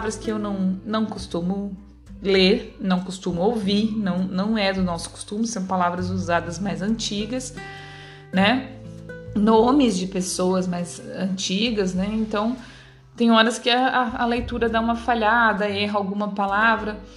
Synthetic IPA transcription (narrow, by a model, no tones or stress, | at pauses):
vɾɐskɪewnɐ̃w̃nɐ̃w̃kost̪ũmʊ | leɾnɐ̃w̃kost̪ũmʊowviɾnɐ̃w̃nɐ̃w̃ɛd̪ʊnɔsʊ̥ko̥st̪ũmʊsɐ̃w̃palavɾɐzuzad̪ɐzmajzɐ̃nt͡ʃiɡɐs | nɛ | nõmɪzd͡ʒɪpesowɐzmajzɐ̃nt͡ʃiɡɐznɛẽnt̪ɐ̃w̃ | t̪ẽj̃ɔɾɐskɪɐaɐlejt̪uɾɐd̪aũmɐfaʎad̪ɐɛɦɐawɡũmɐpalavɾɐ